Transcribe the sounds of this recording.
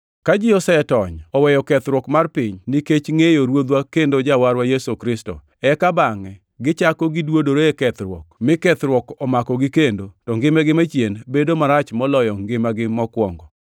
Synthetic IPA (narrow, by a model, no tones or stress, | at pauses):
kad͡ʒiɔsɛtɔɲɔwɛjɔkɛt̪ɾwɔkmarpɪɲniket͡ʃŋejoɾwod̪wakendod͡ʒawaɾwajesokɾɪsto̰ | ɛkabaŋɛ | ɡɪt͡ʃakɔɡɪdwodoɾeekɛt̪ɾwɔ̰kmɪkɛt̪ɾwɔkɔmakɔɡɪkendotɔŋɡɪmɛɡɪmat͡ʃjenbedomaɾat͡ʃmɔlɔjɔŋɡɪmaɡɪmɔkwɔŋɡɔ